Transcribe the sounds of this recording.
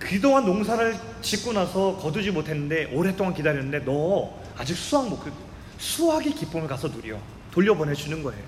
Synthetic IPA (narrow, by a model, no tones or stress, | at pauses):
kidoŋɦanːoŋsʰaɾɯɭ | t͡ɕik͈unasʰʌkʌdud͡ʑimotʰe̞nːɯnde̞ʔoɾe̞t͈oŋankidaɾjʌnɯnde̞nʌ | ad͡ʑik̚s͈ʰuɦaŋmokʰɯɡo | sʰuɦaɡikip͈umɯɭkasʰʌnuɾiʌ | toʎːʌbʌnɦed͡ʑunɯnɡʌe̞̰jo